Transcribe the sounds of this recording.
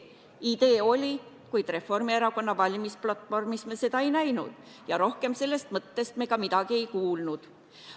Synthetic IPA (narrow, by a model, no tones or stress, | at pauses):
id̪̥e̞ːo̞lʲi | kujd̪̥re̞fo̞rmieɾɑko̞nːɑvɑlʲimisplɑt̪ːˑfo̞rmismese̞d̪ɑe̞jnæjnṵd̪̥ | jɑɾo̞hke̞mse̞lːe̞st̪mɤt̪ːe̞st̪me̞kɑmid̪̥ɑɡ̥ie̞jkuːlnud̪̥